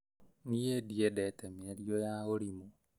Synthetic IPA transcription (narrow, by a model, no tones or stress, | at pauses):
niediedɛtɛmeɾjojaoɾimo